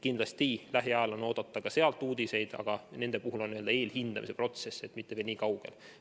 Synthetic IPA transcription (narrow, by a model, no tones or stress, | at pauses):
kind̪̥lɑst̪ilæɦiɑelono̞ːd̪̥ɑt̪ːˑɑkɑse̞ɑlt̪ːˑuːd̪̥ise̞jd̪̥ɑ̰ɡ̥ɑne̞nd̪̥e̞puɦulonːiø̞ld̪ɑe̞ːlhind̪̥ɑmise̞pro̞t̪se̞set̪ːmit̪ːe̞velniːkɑwɡ̥e̞̰l